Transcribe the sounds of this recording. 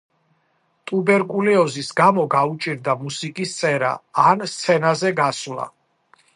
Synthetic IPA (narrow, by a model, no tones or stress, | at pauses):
t̪ʼubɛɾkʼulɛɔzisɡamɔɡaut͡ʃʼiɾd̪amusikʼist̪sʼɛɾa̰ːnst̪sʰɛnazɛɡaslˠa̰